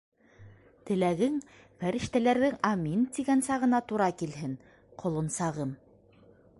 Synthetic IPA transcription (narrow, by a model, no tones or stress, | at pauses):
t̪ɘ̆læɡɘŋ | fæɾɘ̆ʃt̪ælæɾðɘŋamʲint̪iɡænsɑʁɤ̆nɑt̪uɾɑkilɦɘn | qʰŏlˠŏnsɑʁɤm